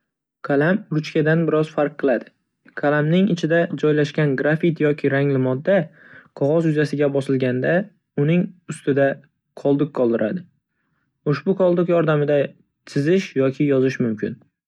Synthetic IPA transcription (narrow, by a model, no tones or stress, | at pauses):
kʰalamɾʊt͡ʃkʲad̪anbɪɾɒz̥faɾqʰːɨlˠad̪ɪ̥ | kʰalamnɪŋɪt͡ʃʰɪd̪ad͡ʒɒjlaʃkʲanɡɾafit̪jɒkʲʰɪɾaŋlɪmɒd̪ːa | qʰɒʁɒzjʊzasɪɡʲabɒsɪlɡʲand̪a | ʊnɪŋʊst̪ɪd̪a | qʰɒlˠd̪ɨqqʰːɒlˠd̪ɪɾa̰d̪ɪ | ʊʃbʊqʰɒlˠd̪ɨqjɒɾd̪amɪd̪a | t̪ʰɪzɪʃjɒkʲʰɪjɒzɪʃmʊmkʲʰɪn